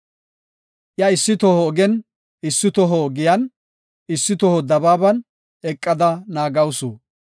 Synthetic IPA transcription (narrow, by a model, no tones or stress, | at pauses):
ʔjɐɪsːɪt̪ɔhɔːɡɛn | ɪsːɪt̪ɔɦɔːɡɪjɐn | ɪsːɪt̪ɔhɔd̪ɐbaːbɐn | ɛkʼːɐd̪ɐnaːɡɐwso